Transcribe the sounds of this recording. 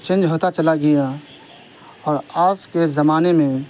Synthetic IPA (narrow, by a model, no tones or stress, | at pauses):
t͡ʃẽːnd͡ʒɦoːt̪at͡ʃəlaɡija | ɔːɾaːskezɐmaːnemẽ